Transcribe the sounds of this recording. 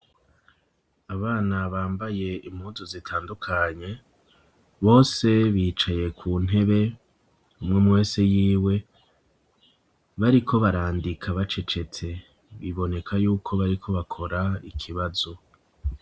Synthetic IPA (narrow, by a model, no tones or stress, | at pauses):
aβaːnaβaːmbaje̞im̥huzozitʰaːndukʰaɲe̞ | βo̞ːse̞βiːt͡ʃaje̞kʰuːn̥e̞βe̞ | umŋemwe̞ːsejiːwe̞ | βaɾikʰo̞βaɾaːndikʰaβat͡ʃe̞t͡ʃe̞t͡se̞ | βiβo̞ne̞kʰajuːkʰo̞βaɾikʰo̞βakʰo̞ɾaikʰiβazo̞